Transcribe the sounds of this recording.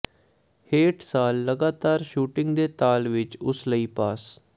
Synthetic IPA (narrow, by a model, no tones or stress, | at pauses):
heːʈsaːlːəɡaːt̪aːɾʃuːʈɪ̃ŋɡd̪eːt̪aːlʋɪt͡ʃʊsləiːpaːs